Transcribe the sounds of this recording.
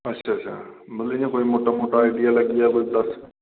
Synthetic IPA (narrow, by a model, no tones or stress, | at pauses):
ətːʃʰaɐɕʰa̰mɐt̪ləɲẽkoːimoːʈamoːʈaːɪɖijaləɡɪjakoːid̪ɐs